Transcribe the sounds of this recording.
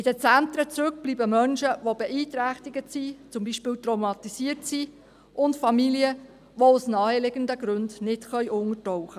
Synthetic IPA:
ɪd̥ət͡sænt̪ɾət͡sɾɵk̚b̥liːbəmœnʃəʋobɛʔiːtɾæχtɪɡətsit͡sʊmbiːʃpɪːlwtrowmɑt̪isiətsi | ʔʊntfɑmiliə | ʋoʊsnɑːɛlɪɡəndəɡɾøndnɪtχœʏʔʊŋətɔwχə

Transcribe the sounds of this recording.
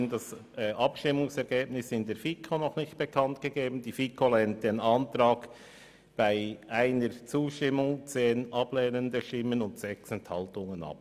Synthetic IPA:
ndɑsʔɑpʃtɪmʊŋsɛɾɡ̥eːbnɪsɪndeːɾfikʰonɔχnɪçt̚b̥əkʰɑntɡ̥əɡeːbn̩diːfikʰolɛnt̚d̥eːnɑntɾɑːɡ | b̥aɪʔaɪnəɹt͡suːʃtɪmʊŋt͡seːnʔɑb̥lɛːnəndəʃtɪmənʊntsɛksɛnthɑltʊŋənɑ̰p̚

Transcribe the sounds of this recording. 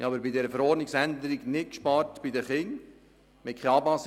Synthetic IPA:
ɑːbəɾbidɛːɾəfəɾɔːɾdniksænd̪əɾiɡnɪt̚kʃpɑːɾtb̥idəχɪŋ | mɪtkʰeɑbɑs

